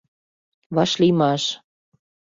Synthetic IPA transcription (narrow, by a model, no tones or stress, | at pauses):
βɑʃlimɑʃ